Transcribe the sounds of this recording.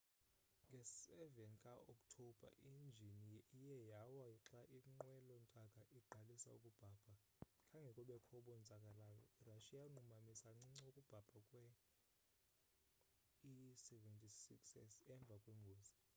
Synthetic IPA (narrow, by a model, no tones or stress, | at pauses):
ŋɡʱɛsɛvɛnkʼaɔkʼtʰɔb̥ʱa̰ʔind͡ʒʱiniijɛjawaiǁaʔiŋ͡ǃwɛlɔntʼakʼaʔiɡ͡ǃʱalisa̰ukʼub̥ʱaːb̥ʱa | kʰʼaŋɡʱɛkʼɔɓɛkʰɔɓɔnd͡zʱakʼalajɔiraʃijaŋ͡ǃumamisaŋ͡ǀiŋ͡ǀokʼub̥ʱab̥ʱakʼwɛ | isɛvɛntʼisiksɛsɛɱb̪vʱakʼwɛŋɡʱoːzi